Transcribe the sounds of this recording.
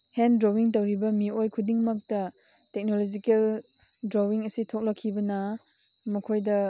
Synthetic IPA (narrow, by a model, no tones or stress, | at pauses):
hendɾowiŋtɐwɾibɐmiojkʰudiŋmɐk̚tɐ | tek̚nolod͡ʒikel | dɾowiŋɐsitʰok̚lɐkʰːibɐna | mɐkʰojdɐ